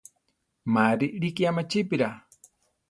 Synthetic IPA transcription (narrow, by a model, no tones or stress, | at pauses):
maɾiʔɾikiamat͡ʃipiɾa